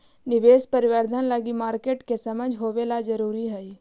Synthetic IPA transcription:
nɪʋeːspəɾɪʋəɾd̪ʱənləɡimaːɾkeːʈkesɐməd͡ʒʱɦoːʋelad͡ʒəɾuːɾiɦɛi

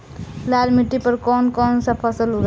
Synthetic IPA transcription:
laɾmiʈːipəɾkɔnkɔnsə̃pʰəsəluɡ

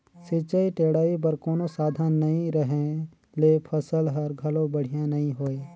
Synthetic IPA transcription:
sɪt͡ʃaːiʈeːɽaːip̬ɐɾkoːnosaːd̪ʱənːɐɦĩɾɐɦẽ | lepʰɐsəlɦɐɾɡʱɐlõbɐɽ̤ijãnɐɦĩɦoːe

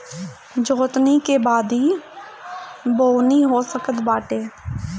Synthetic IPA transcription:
d͡ʒoːt̪nikebaːd̪ɦiː | boːniɦosəkət̪baːʈeː

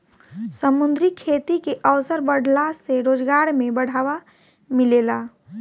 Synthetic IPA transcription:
səmʊnd̪ɾikʰeːt̪ikeʔəʋsəɾbəɽʱlaseɾoːd͡ʒɡaːɾmẽbəɽ̤aːʋa | mɪlelaː

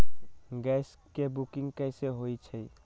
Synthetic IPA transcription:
ɡɛs | kebukiŋɡkəseɦojt͡ʃʰəj

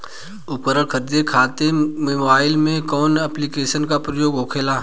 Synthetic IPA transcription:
ʊpkəɾəɽkʰəɾd̪ekʰaːt̪emebaːɪlmẽkɔːnəplikeːʃənkapɾəjoːɡoːkʰeːlaː

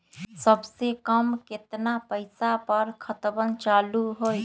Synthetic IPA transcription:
səbsekəmkɪt̪napəɪsapəɾkʰət̪bənt͡ʃaːluɦoj

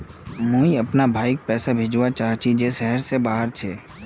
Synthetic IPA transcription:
mõiɐpnabʱaːɪk̚pɛːsabʱɪd͡ʒwat͡ʃaːɦt͡ʃʰid͡ʒeʃɛɦəɾsebaːɦəɾt͡ʃʰeː

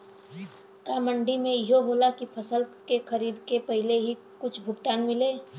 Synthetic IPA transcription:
kaːməɳɖimẽjɪɦoɦolakipʰəsəlkekʰəɾiːd̪kepəɦɪleɦi | kʊt͡ʃʰbʱʊɡt̪aːnmɪleː

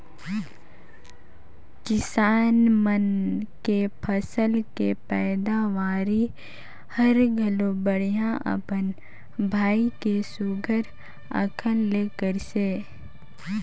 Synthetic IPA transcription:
kɪsaːnmənkepʰəsəlkepɛːd̪aʋaːɾi | həɾɡʱəlobəɽ̤ijãʔə̰pən | bʱaːikesuɡʱəɾ | ə̰kʰəlleːkəɾseː

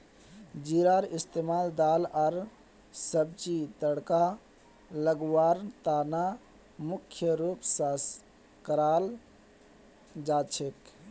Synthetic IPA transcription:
d͡ʒiɾaɾist̪emaːld̪aːləɾ | səb̚t͡ʃit̪əɽka | ləɡwaːɾt̪ana | mukʰjəɾupsas | kəɾal | d͡ʒat͡ʃʰek

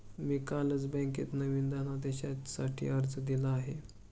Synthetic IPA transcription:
miːkaləd͡zbɛ̃ŋkḭːt̪nəʋiːnd̪əɦnad̪eɕasaʈʰḭːəɾd͡zd̪ilaːɦe

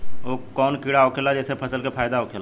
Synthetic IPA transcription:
oːkɔːnkiɽaoːkʰelad͡ʒɛːsepʰɐsəlkepʰaːjd̪aoːkʰel

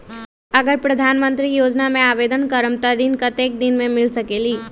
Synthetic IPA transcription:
əɡəɾpɾəd̪ʱanmənt̪ɾijod͡ʒnameabed̪ənkəɾəmt̪əɾinkət̪ek̚d̪inmemilsəkeli

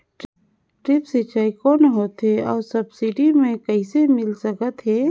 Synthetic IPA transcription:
ʈɾɪpsɪt͡ʃaːikɔːnɦoːt̪ɦɛɔːɾsəbsiɖimẽkəɪsemɪlsəkət̪ɦɛː

